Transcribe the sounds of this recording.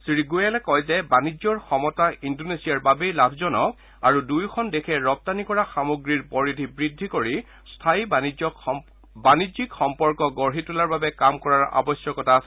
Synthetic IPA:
sɹiɡujalɛkɔjzɛbanizɔɹxɔmɔtaindonesiaɹbabejlabʰʱzɔnɔk̚ | aɹudujkʰɔndekʰɛɹɔp̚tanikɔɹaxamoɡɹiɹpɔɹidʱibɹidʱːikoɹi | stʰaibaniɔ | banizikxɔmpɔɹkɔɡɔɹɦitulaɹbabɛkamkɔɹaɹa̰bɔsjɔkɔtas

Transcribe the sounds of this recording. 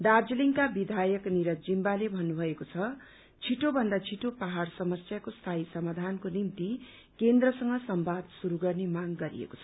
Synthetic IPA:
d̪ard͡ziliŋkabid̪ʱajʌkniɾʌd͡zimbalebʱʌnːubʱʌekot͡sʰʌ | t͡sʰiʈobʱʌnd̪at͡sʰiʈopaɦaɾsʌmʌsjakost̪ʰajsʌmad̪ʱankonimt̪i | kend̪rʌsʌŋɡʌsʌmbʱad̪suɾuɡʌrnemaɡɡʌɾḭḛko̥t͡sʰʌ̥

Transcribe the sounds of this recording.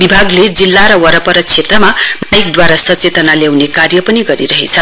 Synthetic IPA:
bibʱaɡled͡zilːaɾʌwʌɾʌpʌɾʌt͡sʰet̪rʌmamajk̚d̪waɾasʌt͡set̪ʌnaljawnekarjʌpʌniɡʌɾiɾʌɦḛt͡sʰʌ

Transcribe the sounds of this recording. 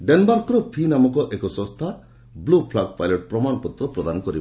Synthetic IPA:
ɖenbaɾkɔɾɔpʰinamɔkɔʔekɔsɔ̃st̪ʰa | blupʰlaɡpajlɔʈ̚pɾɔmanɔpɔt̪ɾɔpɾɔd̪anɔkɔɾi

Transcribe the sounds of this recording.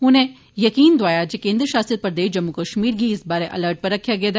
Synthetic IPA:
ʊnẽ | jɐkiːnd̪ʋaːjad͡ʒekẽːnd̪ɾəʃaːsɾət̪̚pɐɾɐd̪eːʃd͡ʒɐmːukəʃmiːɾɡiɪsbaːɾeʔɐ̰ləɾʈ̚pɐɾːɐkʰːjaɡɐed̪

